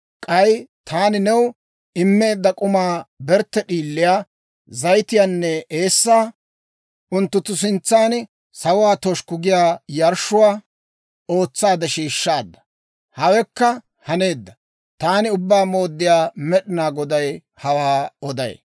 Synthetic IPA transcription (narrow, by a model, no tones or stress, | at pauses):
kʼɐjt̪ʰaːnɪnɛw | ɪmːe̞ːd̪ːɐkʼʊmaːbɛɾt̪ːɛɗiːlːɪjaː | zɐjt̪ɪjaːnːɛe̞ːsːaː | ʊnt̪ːʊt̪ːʊs̬ɪnt͡sːaːn | sɐwʊwaːt̪ɔʃkʊɡɪjaːjɐɾʃʊwaː | o̞ːt͡sːaːd̪ɛʃiːʃːaːd̪ːɐ̥ | hɐwɛkːɐ | hɐne̞ːd̪ːɐ | t̪aːnɪʊbːaːmoːd̪ːɪjaːmɛɗɪnaːɡɔd̪ɐj | hɐwaːɔd̪ɐ̰j̰